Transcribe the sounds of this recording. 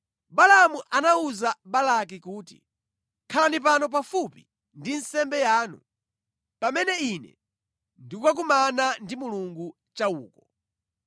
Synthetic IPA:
balamuʔanauzaɓalak̬ikuːtḭ | kʰalanip̬anɔp̬afupi | ndinsɛmbɛjaːnṵ | pamɛnɛinɛ̰ | ndikwak̬umanandimuluŋɡu | t͡ʃauːkɔ

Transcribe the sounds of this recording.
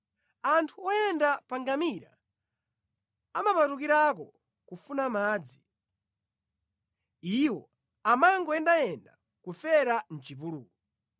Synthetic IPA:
antʰuɔjɛndapaŋɡamiɾa̰ | amapatukiɾak̬ɔ | kufunamaːd͡zi | iwɔ | amaŋɡɔɛndajɛnda | kufɛɾan̩t͡ʃip̬ulṵːkɔ

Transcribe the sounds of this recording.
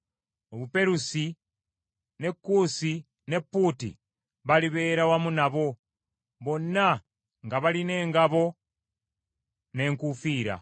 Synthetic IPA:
oβupe̞ɾusi | ne̞kːuːsi | ne̞pːuːtḭ | βaliβe̞ːɾawamunaβo̞ | βo̞nːa | ŋɡaβaline̞ːŋɡaβo̞ | ne̞ːŋkufiːɾa̰

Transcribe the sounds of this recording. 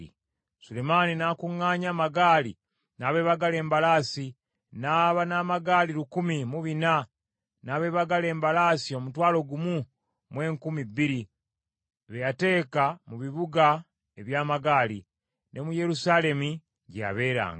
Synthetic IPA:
sule̞maːninaːkuŋːaːɲaːmaɡaːlḭ | naːβe̞ːβaɡale̞ːmbalaːsi | naːβanaːmaɡaːliɾukumimuβina | naːβe̞ːβaɡale̞ːmbalaːsio̞mutwaːlo̞ɡumu | mwe̞ːŋkumibːiɾi | βejate̞ːkamuβiβuɡa | e̞βjaːmaɡaːlḭ | nʔe̞muje̞ɾusaːle̞mu | ɟeja̰βe̞ːɾa̰ːŋɡa

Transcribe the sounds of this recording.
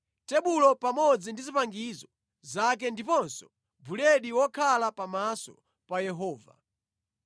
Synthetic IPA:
tɛɓulɔpamɔd͡zindizipaŋɡizɔ | zak̬ɛndipɔnsɔ̥ | bulɛɗiwɔkʰalapamasɔ | pajɛɦɔːva̰

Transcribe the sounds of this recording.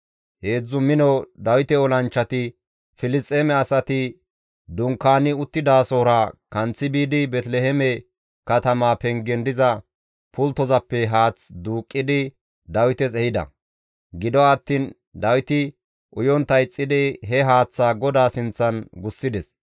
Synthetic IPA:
he̞ːd͡zːʊmɪnɔd̪ɐwɪt̪ɛɔlɐnt͡ʃːɐt̪ɪ | fɪlɪstʼːeːmɛɐsɐt̪ɪ | d̪ʊŋkːaːnɪʊt̪ːɪd̪aːsoːɾɐkɐnt͡sːɪbiːd̪ɪbɛt̪lɛhɛmɛ | kɐt̪ɐmaːpɛŋɡɛnd̪ɪzɐ | pʊlt̪ːɔzɐpːɛɦaːt͡sd̪uːkʼːɪd̪ɪ | d̪ɐwɪt̪ɛsɛhɪd̪ɐ̰ | ɡɪd̪ɔɐt̪ːiːn | d̪ɐwɪt̪ɪ | ʔʊjɔnt̪ːɐjt͡sʼːɪd̪ɪɦɛɦaːt͡sːaːɡɔd̪aːsɪnt͡sːɐnɡʊsːɪd̪ɛs

